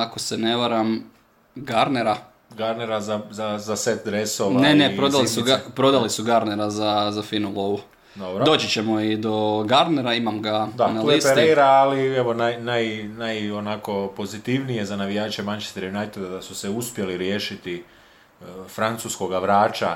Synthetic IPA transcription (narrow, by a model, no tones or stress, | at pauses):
ako̞sene̞ʋaɾam | ɡaɾne̞ɾa | ɡaɾneɾazazazaset̪d̪ɾesoʋnenepɾod̪alisuɡapɾo̞d̪alisuɡaɾne̞ɾazazafinulˠoʋu | d̪obɾodo̞ːt͡ɕit͡ɕe̞mo̞id̪o̞ɡaɾne̞ɾaimamɡad̪analiseɾejɾaːlieʋo̞najnajnajonako̞po̞zit̪iʋnije̞zanaʋijaːt͡ʃemant͡ʃe̥st̪aɾajunajt̪ed̪ad̪asuseuspje̞liɾje̞ːʃit̪i | fɾant̪susko̞ɡaʋɾaːt͡ʃa